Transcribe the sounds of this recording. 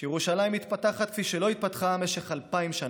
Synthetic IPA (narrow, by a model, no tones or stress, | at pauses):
jeʁuʃalajimit̪pat̪aχat̪̚kfiʃelo̞it̪̚pat̪χame̞ʃeχalpaimʃan